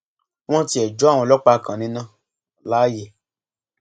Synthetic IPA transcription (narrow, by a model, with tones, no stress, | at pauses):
w̃ɔ̃˦ti˧˦ɛ˨d͡ʒɔ˨˦˨w̃ɔ̃˧lɔ˦k͡pa˧˨kã˨nĩ˧nã˦˨ | la˨˦je˨